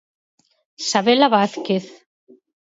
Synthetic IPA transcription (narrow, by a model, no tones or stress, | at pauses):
saβelaβaθkeθ